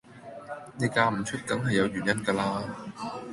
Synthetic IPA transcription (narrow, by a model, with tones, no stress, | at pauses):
nɛː˨˧kaː˧m̩˨˩t͡ʃʰɵ˥t̚kɐ˨˥ŋɦɐ˨jːɐ˨˧wjyː˨˩njɐ˥nkaː˧laː˧